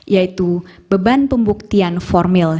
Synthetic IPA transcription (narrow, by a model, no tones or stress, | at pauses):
jait̪ub̥əbanpəmbuk̚t̪ianfɔrmɪl